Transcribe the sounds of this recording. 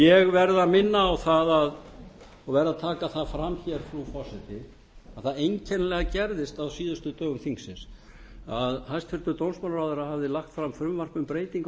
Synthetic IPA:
jɛɣvɛɾðamɪnːaːwθaðað | ɔɣvɛɾðaðt̪ʰaːkaθaðfɾamːçɛɾ̥fɾufɔ̥sɛt̪ɪ | aðθaðejɲcʰɛnlɛɣacɛɾðɪst̪awsiːðʏst̪ʏt̪œːɣʏmθiŋksɪns | aðhajst̪fɪɾ̥t̪ʏɾt̪ownsmalraːwðʏɾahavðɪlaxt̪fɾamfɾʏmvar̥pʏmpɾeːjt̪iŋk

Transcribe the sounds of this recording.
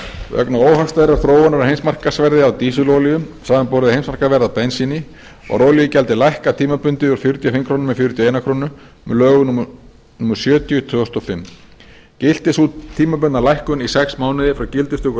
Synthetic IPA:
œ̰knaoːwɦafst̪aðɪɾaɾθɾoːwanaɾahejmsmar̥kasvɛɾðɪawt̪iːs̬ʏlowlijʏmsaːðanpɔɾðɪhejmsmaɾ̥kavɛɾðapɛnsinɪ | ɔ̰ɾoːwlijɪcɛlt̪ɪlajhkat̪ʰiːmapʏnt̪ɪuɾ̥fjʏɾt̪jafɪmkʰɾoːnʏmɛfjʏɾt̪jaejnakʰɾoːnʏ | mɛ̰lœːɣʏn | numʏɾ̥sjœːt̪jʏt̪ʰvœːɔst̪ɔfɪmː | cɪl̥t̪ɪsut̪ʰiːmap̬ʏnnalajhkʏnisɛksmaːwnɪðɪfɾawcɪlt̪ʏst̪ʏk

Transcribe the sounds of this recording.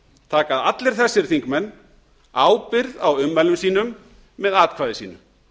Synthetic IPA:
t̪ʰaːkaðat̪lɪɾ̥θɛsːɪɾ̥θiŋkmɛnː | aːwpɪɾðawʏmːɛlʏmsiːn̪ʏmː | ɛðaːt̪̚kʰvaːðɪsiːnʏ̰m

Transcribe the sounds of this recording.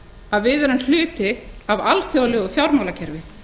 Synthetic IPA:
aðvɪðɛɾʏmnl̥ʏːt̪ɪavalθjowlɛɣɔθjawɾmawlacʰɛɾvɪ

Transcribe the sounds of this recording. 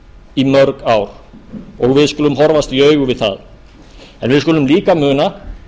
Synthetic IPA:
imœɾkaːwɾ | ɔɣvɪðskʏːlʏmɦɔɾvast̪jœːɥɣʏvɪðθa̰ð | ɛ̰nvɪðskʏːlʏmliːkamʏːna

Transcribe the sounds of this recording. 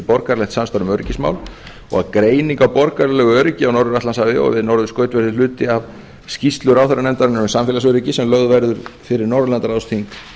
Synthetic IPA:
pɔɾkaɾlɛxt̪samst̪aɾʏmœɾɪcɪsma̰ːwl | ɔ̰ɣaðkɾeːjniŋkawpɔɾkaɾlɛɣʏœɾcɪawnɔɾðʏɾaθt̪lansavɪɔ̰ɣvɪðnɔwɾðʏskœːɥt̪vɛɾðɪlʏːt̪ɪav | scist̪lʏɾawθaɾanɛmt̪aɾɪnɪʏɾʏsamfjɛlasœɾɪcɪsɛmlœɣðvɛɾðʏɾ̥fɪɾɪɾnɔɾðʏlant̪aɾaðst̪ʰiŋk

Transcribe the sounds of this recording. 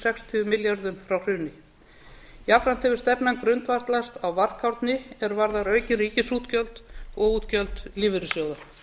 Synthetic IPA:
sɛkst̪ʰʏʏmɪljaɾðʏmfɾawr̥ʏːnɪ | iafɾan̥t̪ʰɛvʏ̥st̪ɛpnaŋkɾʏnt̪vaɾ̥t̪last̪awvar̥kʰawɾt̪nɪɛɾvaɾðaɾœːɥcɪriːcɪsuːt̪cœlt̪ɔɣuːt̪cœlt̪lɪːvɪɾɪsjɔːɣða

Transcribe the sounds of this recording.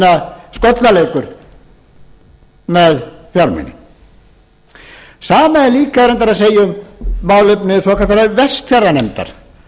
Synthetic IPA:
naskɔt̪nalejkʏɾ | mɛðfjɔɾmɛ̰nɪ̰ | saːmaliːkaɛɾɛnt̪aɾaðs̬eːjʏmmaːwlɪpnɪsɔːkaθaɾavɛst̪fɛrːanɛmt̪a̰ɾ̥

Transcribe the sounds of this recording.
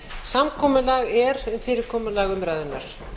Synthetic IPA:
samkʰɔːmʏlaɣɛɾʏmfɪːɾɪɾkʰɔːmʏlaːɣʏmɾaːjðɪna̰ɾ̥

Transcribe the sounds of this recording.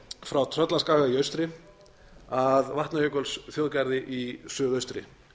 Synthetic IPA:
fɾawt̪ʰɾœt̪laskaːɣaiœɥst̪ɾɪ | aðvaht̪najœkœlsθjoːðkajɾðɪʔisʏːðœɥst̪ɾɪ̰

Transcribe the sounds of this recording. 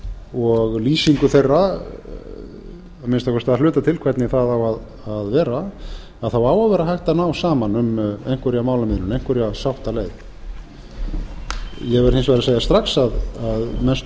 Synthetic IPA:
ɔɣliːsiŋkʏθejrːa | amɪnst̪awkvɔst̪aðalʏːt̪at̪ʰɪlkʰvɛrt̪nɪθaðawað | aðvɛːɾa | aðθawaːwavɛːɾahajht̪anawsaːmanʏmejŋ̥kvɛɾjamaːwlamɪðnʏnejŋ̥kvɛɾjasawht̪aleːjð | jɛɣvɛɾ̥ensvaɾaseːjast̪ɾaxsaðaðmɛnst̪

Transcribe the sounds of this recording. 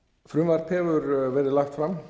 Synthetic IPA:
fɾʏmvaɾt̪ʰɛːvʏɾvɛɾðɪlaxt̪fɾam

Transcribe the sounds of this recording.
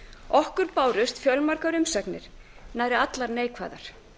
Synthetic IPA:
ɔhkʏɾpaːwɾʏst̪fjœlmaɾkaɾʏmsɛknɪ̰ɾ̥naːjɾɪat̪laɾneːjkʰva̰ːðaɾ̥

